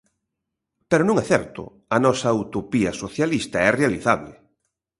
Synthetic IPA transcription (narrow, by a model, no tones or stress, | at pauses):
peɾonũŋɛθɛɾt̪ʊ̰ | ɐnɔsɐut̪opiɐsoθjalist̪aɛrealiθaβlɪ̰